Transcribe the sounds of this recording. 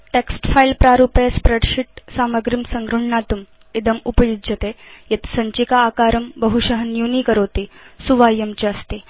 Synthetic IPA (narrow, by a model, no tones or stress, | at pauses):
ʈeksʈfailpɾaɾupjspɾeɖɕiʈ̚saməɡɾimsəŋɡɾuɳ̤ɳat̪um | id̪əmupəjud͡ʑət̪ejet̪səɲt͡ɕikaːkaɾəmbəɦuɕəɦənjunikəɾowt̪isuʋajəmt͡ɕeəst̪e